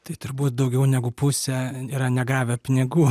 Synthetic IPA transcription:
t̪ɐɪt̪ʊɾbuːt̪d̪ɐʊɡʲɛʊnʲæɡʊpʊsʲɛiːɾɐnʲɛɡɑːʋʲɛpʲɪnʲɪɡuː

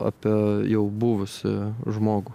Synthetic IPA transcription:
ɑ̰ːpʲijɛʊbuːʋʊsʲɪ̰ʒmoːɡʊ

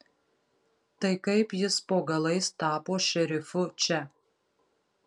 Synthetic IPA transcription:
t̪ɐɪkɐɪpjɪspoːɡɐlˠɐɪst̪ɑːpoːʃʲɛɾʲɪfʊt͡ʃʲɛ

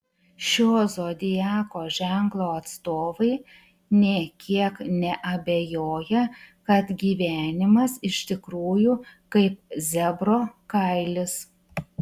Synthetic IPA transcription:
ʃʲoːzoːd̪ʲɪjæːkoːʒʲɛŋklˠoːɐt̪st̪oːʋɐɪ | nʲɛkʲʰiɛknʲɛʔɐbʲejoːjɛkɐt̪ɡʲiːʋʲæːnʲɪmɐsɪʃʲt̪ʲɪkɾuːjukɐɪp̚zʲɛbɾoːkɐɪlʲɪs

